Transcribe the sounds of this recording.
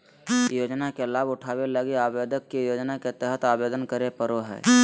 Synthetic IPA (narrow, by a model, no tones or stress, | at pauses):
joːd͡ʒnakelaːbʊʈʰaːweləɡiaːbeːd̪əkːijoːd͡ʒnaket̪ɛɦət̪aːbeːd̪ənkəɾepəɾoɦɛ̰ː